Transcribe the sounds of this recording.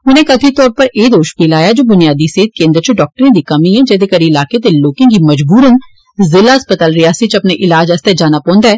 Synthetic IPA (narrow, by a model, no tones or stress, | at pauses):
ʊnẽːkət̪ʰit̪ɔːɾpəɾeːd̪oːʃbiːlaːjad͡ʒoːbʊnijaːd̪iseːt̪̚kẽːnd̪ɾət͡ʃʊɖɔːk̚ʈəɾẽd̪ikɐmiɦɛ̃d͡ʒɛːd̪ekəɾiɪlaːket̪eloːkẽɡimɐd͡ʒbuːɾən | zɪlaːəspət̪aːlɾɪaːsit͡ʃɐpneʔɪlaːd͡ʒɐst̪ed͡ʒaːnapɔ̃ːnd̪aɦɛː